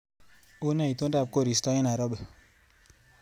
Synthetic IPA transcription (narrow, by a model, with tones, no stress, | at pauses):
u˦na˦i˨tu˦da˦˨b̚ko˦˨ɾi˨stɔ˦ɲi˦na˨ɾo˦bə˨